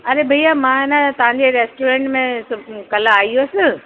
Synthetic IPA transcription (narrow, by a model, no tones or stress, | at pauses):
ɐɾebʱɐijamãːɪnat̪ɐʋ̤ãɲd͡ʑeɾeːsʈoːɾẽːɳʈmẽʊkɐlaaːioːsɪ